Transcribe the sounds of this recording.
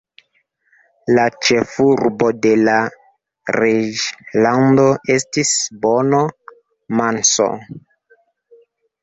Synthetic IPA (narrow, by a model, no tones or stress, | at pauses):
lat͡ʃe̞fuɾbode̞la | ɾed͡ʒlando̞ʔe̞stisbono | manso̰